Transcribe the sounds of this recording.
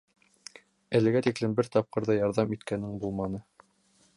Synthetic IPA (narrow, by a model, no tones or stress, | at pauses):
ælɘ̆ɡæt̪iklɘmbɘɾt̪ɑp̚qɤ̆ɾðɑjɑɾðɑmit̪kænɘŋbulˠmɑnɤ